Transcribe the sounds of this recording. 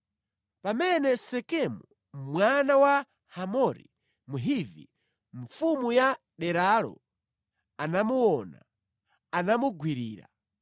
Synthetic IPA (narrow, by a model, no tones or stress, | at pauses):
pamɛnɛsɛkɛmu | mwanawa | hamɔɾḭ | muɦivḭ | ɱfumuja | ɗɛɾalɔ̰ | anamuwɔna̰ | anamuɡwiɾiːɾa̰